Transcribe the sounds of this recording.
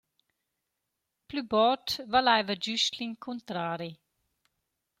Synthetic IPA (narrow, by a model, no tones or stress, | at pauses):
plybɔtvalajvəd͡ʒyʃt̪liŋkʰunt̪ɾaːɾi